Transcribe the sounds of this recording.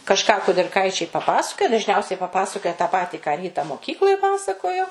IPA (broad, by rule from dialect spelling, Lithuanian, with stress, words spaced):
kɐʃˈkɑː kʊdʲɪrˈkɐɪt͡ʃʲɛɪ pɐˈpɑːsɐkoːjɛ dɐʒʲˈnʲɛʊsʲɛɪ pɐˈpɑːsɐkoːjɛ tɑː ˈpɑːtʲiː kɑː ˈrʲiːtɐ moːˈkʲiːklˠoːj ˈpɑːsɐkoːjoː